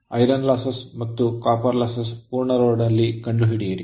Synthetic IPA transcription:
ɐjɾɐnlasɐsmɐt̪ːukaːpɐɾlaːsɐspuːɾɳɐɾoːɖnɐlːikɐɳɖuɦiɽijɐɽi

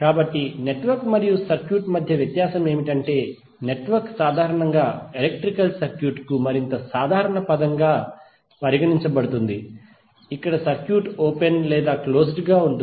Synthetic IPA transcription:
kaːbɐʈːine̞ʈʋɐɾkmɐɾijusɐɾkjuːʈmɐd̪ʱjɐʋjɐt̪jaːsɐme̞ːmiʈɐɳʈe̞ː | ne̞ʈʋɐɾksaːd̪ʱaːɾɐɳɐŋɡaːelek̚ʈɾikɐlsɐɾkjuːʈkumɐɾint̪ɐsaːd̪ʱaːɾɐɳɐpɐd̪ɐŋɡaː | pɐɾiɡɐniɲt͡ʃɐbɐɽut̪und̪i | ikːɐɽɐsɐɾkjuːʈoːpenlɛːd̪aːklo̞ːs̬ʈɡaːuɳu

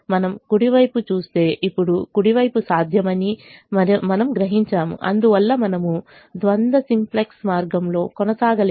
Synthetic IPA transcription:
mɐnɐmkuɽiʋɐjput͡ʃuːst̪e̞ːʔipːuɽukuɽiʋɐjpusaːd̪ʱjɐmɐniɐmɐnɐmɡɾɐɦiɲt͡ʃaːmṵʔɐ̰nd̪uʋɐlːɐmɐnɐmu | d̪ʋɐnd̪ɐsimpleksmaːɾɡɐmlo̞ːkɔnɐsaːɡɐl

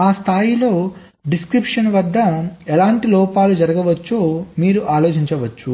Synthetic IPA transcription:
aːst̪ʰaːjilo̞ː | ɖiskɾipʂɐnʋɐd̪ːɐɛlaːɳʈilɔːpaːlud͡ʒɐɾɐɡɐʋɐt͡ʃːoːmiːɾuʔaːlo̞ːt͡ʃiɲt͡ʃɐʋɐt͡ʃːu

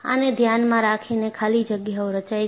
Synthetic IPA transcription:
a̰ned̪ʱjanmãɾakʰinekʰalid͡ʒəɡjaoɾət͡ʃaj

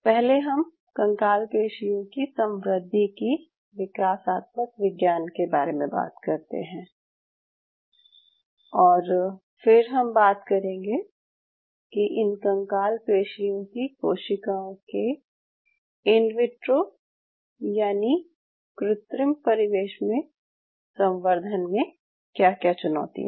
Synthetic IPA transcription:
pɛɦleɦɐm | kɐ̃ŋkaːlkeːʃijõkisɐ̃mɾəd̪ʱːiki | ʋɪkaːsaːt̪̚məkʋɪɡjaːnkebaːɾemẽba̰ːt̪kɐɾt̪ḛɦɛ̃ː | ɔːɾ | fɪɾɦɐmbaːt̪kɐɾẽːŋɡe | kiʔɪnkɐ̃ŋkaːlkɾeːʃijõkikoːʃɪkaõke | ɪnʋɪʈɾo | jaːni | kɾɪt̪ɾɪmpɐɾɪʋeːʃmẽ | sɐ̃mʋəɾd̪ʱənmẽ | kjaːkjaːt͡ʃʊnɔ̰ːt̪ḭɦ

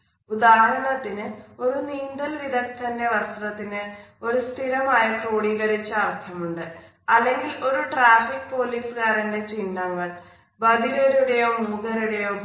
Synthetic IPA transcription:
ud̪aːɾɐɳɐt̪ːinɨo̞ɾuniːnd̪ɐlʋid̪ɐkt̪ɐnːeʋɐrsrɐt̪ːinɨo̞ɾust̪ʰilɐmaːjɐproːɽiɣɐɾit͡ɕːɐːrt̪ʰɐmuɳɖɨ | ɐlːe̞ŋɡilo̞ɾuʈraːfikːpo̞ːliːsɨkaːɾɐnde̞t͡ɕinːɐŋːɐɭ | bɐd̪iɣɐɾuɽejoːmuːɡɐɾuɽejoː

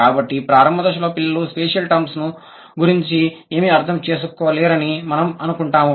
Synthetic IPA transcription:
aːbɐʈːipɾaːɾɐmbɐd̪ɐʂ̬ɐloːpilːɐluspeːʂɐlʈɐmsnu | ɡuɾiɲt͡ʃieːmiɐɾt̪ʰɐmt͡ʃeːs̬ukːɔːleːɾɐnimɐnɐmɐnukuɳʈaːmu

